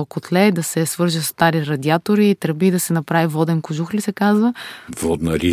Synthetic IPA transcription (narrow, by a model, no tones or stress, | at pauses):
okot̪lɛd̪ɐsɛsvɤɾʒist̪aɾiɾɐd̪iat̪oɾiːt̪ɾbid̪ɐsɛnɐpɾavivɔd̪ɛnkʊʒuxlisɛkazvəvɔd̪nəɾi